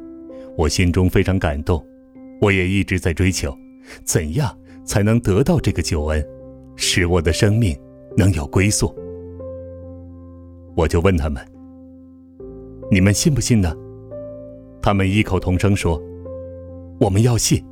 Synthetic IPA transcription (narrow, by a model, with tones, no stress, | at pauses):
wɔ˨˩ɕi˥nʈ͡ʂʊ˥ŋfe˥ɪʈ͡ʂʰɑ˧˥ŋka˨˩nt̪ʊ˥˩ŋ | wɔ˧˥jɛ˨˩i˥˩ʈ͡ʂɻ̩˧˥t͡sa˥˩ɪʈ͡ʂwe˥ɪt͡ɕʰjo˧˥ʊ | t͡sə˨˩njɑ˥˩ŋ | t͡sʰa˧˥ɪnɤ˧˥ŋt̪ɤ˧˥t̪ɑ˥˧ʊʈ͡ʂɤ˥˩ɡə˩t͡ɕjo˨˩ʊə˧˥n | ʂɻ̩˧˥wɔ˨˩d̪ə˦ʂɤ˥ŋmi˥˩ŋ | nɤ˧˥ŋjo˨˩ʊkwe˥ɪsu˥˩ | wɔ˨˩t͡ɕjo˥˧ʊwə˥˩nt̪ʰa˥mə˨n | ni˨˩mə˦nɕi˥˧npu˥˩ɕi˥˩nd̪ə˨ | t̪ʰa˥mə˨ni˥˩kʰo˨˩ʊt̪ʰʊ˧˥ŋʂɤ˥ŋʂwɔ˥ | wɔ˨˩mə˦njɑ˥˧ʊɕi˥˩n